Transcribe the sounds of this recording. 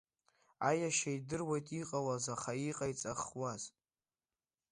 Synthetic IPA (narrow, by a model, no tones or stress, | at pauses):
ajaʃaidɨrwajtʼiqʼawazaχaiqʼajt͡sʼaχwaz